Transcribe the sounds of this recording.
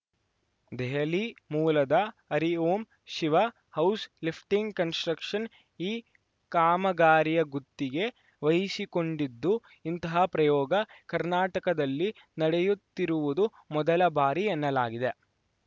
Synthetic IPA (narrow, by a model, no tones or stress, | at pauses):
d̪ɛɦɐlimuːlɐd̪ɐɐɾioːm | ʃiʋɐ | hɐwslipʰʈiŋɡkɐnsʈɾɐkʂɐn | iː | kaːmɐɡaːɾijɐɡut̪ːiɡe̞ | ʋɐjisiko̞ɳɖid̪ːu | int̪ɐɦɐpɾɐjɔːɡɐkɐɾnaːʈɐkɐd̪ɐlːi | nɐɽejut̪ːiɾuʋud̪u | mɔd̪ɐlɐbaːɾiɛnːɐlaːɡid̪e̞